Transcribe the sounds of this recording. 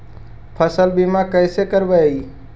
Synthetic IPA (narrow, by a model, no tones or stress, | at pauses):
pʰəsəlbimakɛːsekəɾʋəi